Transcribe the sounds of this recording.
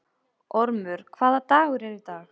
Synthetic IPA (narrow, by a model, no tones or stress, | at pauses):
ɔɾmʏɾ̥kʰvaːðat̪aːɣʏɾɛɾit̪aːx